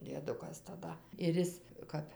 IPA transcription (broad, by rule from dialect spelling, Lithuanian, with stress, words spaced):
dʲiɛˈdʊkɐs tɐˈdɐ ɪr ˈɪs ˈkɐp